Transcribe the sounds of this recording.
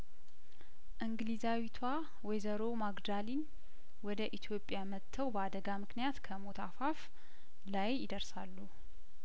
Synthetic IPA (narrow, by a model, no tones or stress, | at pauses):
ʔɨŋɡlizawit̪ʰwa | wɔjzəɾomaɡd̪alin | wɔd̪əʔit̪ʰjopʼjamət̪ʰːəwbəad̪əɡamɨknijat̪kʰəmo̞t̪ʰafaf | lajːɪd̪əɾsalːu